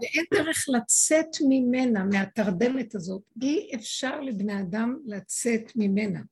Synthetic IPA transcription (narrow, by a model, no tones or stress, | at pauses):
veʔendeʁeχlat͡set̪mime̞nameataʁde̞metazo̞tiefʃaʁlebnead̪amlat͡setmime̞na